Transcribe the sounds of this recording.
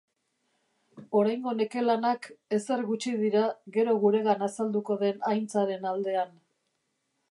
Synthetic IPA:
o̞ɾajŋɡo̞ne̞ke̞lanake̞se̞ɾɣut͡ʃiðiɾaɣe̞ɾo̞ɣ̞uɾe̞ɣanasald̪uko̞ðe̞najnt͡saɾe̞nald̪e̞an

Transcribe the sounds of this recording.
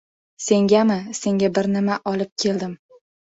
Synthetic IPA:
se̞ŋɡʲamɪse̞ŋʲabɪɾnɪmaʔɒlɪp̚kʲʰe̞ld̪ɪm

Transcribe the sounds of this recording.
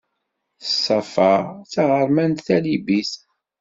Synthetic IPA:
θəsˤːɑfɑʁt͡saʁəɾˤmænt̪θælibis

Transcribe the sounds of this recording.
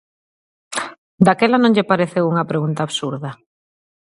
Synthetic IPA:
d̪akɛlanõŋʎɪpaɾeθewuŋɐpɾeɣunt̪aːβsuɾðɐ

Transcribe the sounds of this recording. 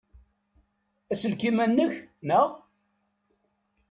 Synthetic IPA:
æsəlkimænːəçnəʁ

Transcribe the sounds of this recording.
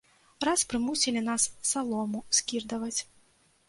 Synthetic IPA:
ɾaspɾɨmusʲilʲinasːalˠɔmuskʲird̪ɐvɐt͡sʲ

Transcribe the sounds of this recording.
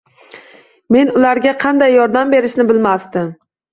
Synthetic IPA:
me̞nʊlaɾɡʲaqʰɑnd̪ajːɒɾd̪ambe̞ɾɪʃnɪbɪlmasd̪ɪm

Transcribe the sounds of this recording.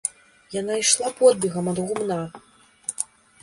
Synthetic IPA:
janaiʂlˠapɔd̪̚bʲiɣɐmɐd̪ɣumna

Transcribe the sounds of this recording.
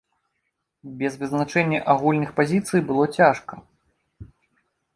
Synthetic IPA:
bʲɛzvɨznat͡ʂɛnʲːɐʔaɣulʲnɨxpazʲit̪sɨjbɨlˠɔt͡sʲaʂkɐ

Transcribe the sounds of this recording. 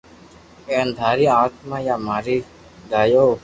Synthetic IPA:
eːnd̪ʱaːɾiːaːt̪mãːjaːmaːɾiː | ɡaːjoː

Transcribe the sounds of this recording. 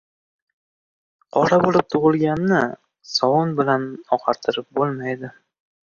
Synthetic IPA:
qʰɒɾabolɪp̚t̪ʰʊʁɨlˠɡʲanːɪ | sɒwʊnbɪlanɒqʰɑɾt̪ʰɪɾɪp̚bolˠmajd̪ɪ

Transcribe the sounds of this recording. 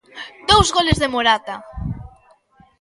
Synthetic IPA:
d̪owzɣolezðemoɾat̪a

